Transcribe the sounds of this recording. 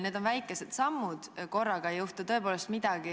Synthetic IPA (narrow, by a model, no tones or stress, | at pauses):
neːd̪o̞nvæjkːˑe̞se̞d̪̥sɑmːud̪̥ko̞rːɑɡ̥ɑejuht̪ut̪ɤ̞e̞p̬oːle̞st̪mid̪̥ɑɡ̥i